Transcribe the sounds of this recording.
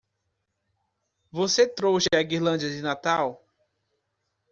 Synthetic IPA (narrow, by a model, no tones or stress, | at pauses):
voset̪ɾowsɪaɡiɾlɐ̃d͡ʒiɐd͡ʒɪnat̪aw